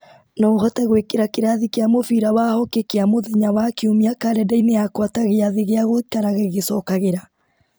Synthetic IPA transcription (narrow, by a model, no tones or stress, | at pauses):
nɔohɔtɛɣwekeɾakeɾaðikeamofiɾawahɔkekeamoðeɲawakiumiakaɾɛdaineakwataɣeaðeɣeaɣoikaɾaɣeɣesɔkaɣeɾa